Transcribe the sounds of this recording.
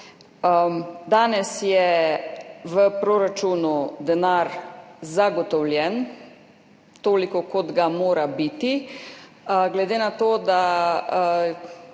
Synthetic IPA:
d̪aːnɛsjɛ | ʋəpɾoːɾat͡ʃuːnud̪ɛnaːɾzaɡɔt̪ɔwljɛn | t̪oːlikɔkɔd̪ɡamoːɾabit̪i | ɡlɛd̪eːnat̪oːd̪a

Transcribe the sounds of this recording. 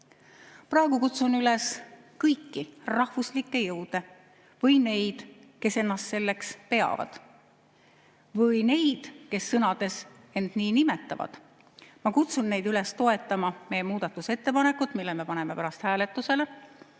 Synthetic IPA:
prɑeɡukut̪sunyles | kɤjkːirɑhvuslikːˑe̞jɤwd̪̥e̞ | vɤjne̞jd̪̥ | ke̞se̞nːɑst̪se̞lːe̞kspe̞ɑ̰vɑ̰d̪̥ | vɤjne̞jd̪̥ke̞sːɤnɑd̪̥e̞s | e̞nd̪̥niːnimet̪ːˑɑ̰vɑ̰d̪̥ | mɑkut̪sunːe̞jd̪yle̞st̪o̞e̞t̪ːˑɑmɑme̞jemuːd̪̥ɑt̪ːˑuse̞t̪ːe̞pɑne̞kːˑut̪ˑmilːeme̞pɑne̞me̞pæɾɑst̪hæːle̞t̪ːˑuse̞le

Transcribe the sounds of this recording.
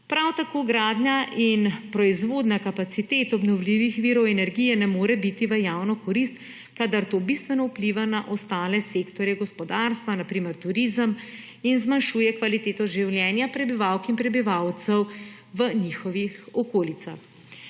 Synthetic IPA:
pɾawt̪akoːɡɾaːd̪njaʔinpɾɔizʋoːd̪nakapat̪sit̪eːt̪ɔbnɔwliʋixʋiːɾɔwɛnɛɾɡijɛnɛmoːɾɛbit̪iʋəjaːwnɔkɔɾist̪ | kad̪aɾt̪oːbist̪ʋɛnɔwpliʋanaʔɔst̪aːlɛseːkt̪ɔɾjɛɡɔspɔd̪aːɾst̪ʋanapɾiːmɛɾt̪uɾiːzəm | inzmanʃuːjɛkʋalit̪eːt̪ɔʒiwljɛnjapɾɛbiʋawkinpɾɛbiʋawt̪sɛw | ʋənixɔʋixɔkoːlit̪sa̰x

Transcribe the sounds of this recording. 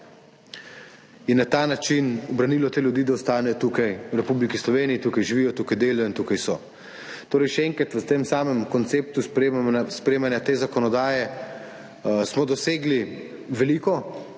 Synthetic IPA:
inːat̪aːnat͡ʃinɔbɾaniːlɔt̪eːljud̪iːd̪aɔst̪aːnɛjɔt̪uːkajwɾɛpublikislɔʋeːnijit̪ukajʒiʋiːjɔt̪uːkajd̪eːlajɔint̪ukajsɔ | t̪oːɾɛjʃɛɛŋkɾat̪ʋət̪emsaːmɛmkɔnt̪seːp̚t̪uspɾemspɾeːmanjat̪eːzakɔnɔd̪aːjɛ | smɔd̪ɔseːɡli | ʋɛliːkɔ

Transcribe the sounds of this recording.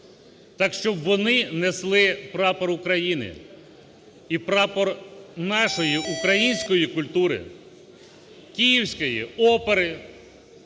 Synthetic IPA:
t̪ɑkʃt͡ʃɔbʋɔnɪneslˠɪpɾɑpɔɾʊkɾɐjinɪ̰ | ipɾɑpɔrnɑʃɔjiʔukɾɐjinʲsʲkɔjikʊlʲt̪uɾɪ̰ | kʲijiwsʲkɔjḭɔpeɾɪ

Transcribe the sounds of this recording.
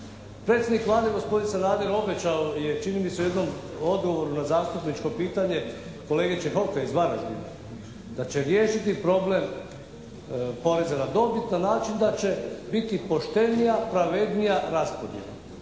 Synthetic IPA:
pɾet̪sʲjd̪nikʋlˠaːd̪eɡo̞spo̞d̪insenaːd̪eɾo̞be̞t͡ɕaojet͡ʃinimiseujd̪no̞mo̞d̪ɡo̞ʋo̞ɾunazaːst̪upnit͡ʃko̞piːt̪aɲe̞ | ko̞leːɡet͡ʃexo̞keizʋaɾaʒbḭla̰ | d̪̥at͡ɕe̞ɾjeːʃit̪ipɾo̞ble̞m | po̞ɾe̞zanad̪o̞bit̪nanaːt͡ʃind̪at͡ɕe̞bit̪ipo̞ʃt̪e̞nijapɾaʋe̞d̪nijaɾaspo̞d̪jḛlˠa̰

